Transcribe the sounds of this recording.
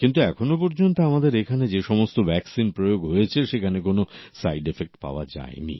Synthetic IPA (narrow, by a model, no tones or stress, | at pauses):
kint̪uɛkʰonop̬ɔɾd͡ʑont̪oamad̪eɾekʰaned͡ʑeʃɔmost̪obɛksinpɾojoɡɦojet͡ɕʰeʃekʰanekonosajɖefek̚ʈpa̰oa̰d͡ʑa̰enḭ